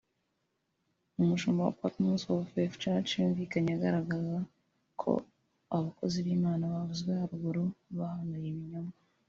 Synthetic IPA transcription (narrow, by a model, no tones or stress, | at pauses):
umuʃoːmbawa̰patmusofeft͡ʃat͡ʃjuːɱviːkaɲaaɡaɾaɡaza | kʰo̞̰ | aβako̞̰ziβiːmaːnaβavuzɡehaɾuɡuɾoβahanajiβiɲoma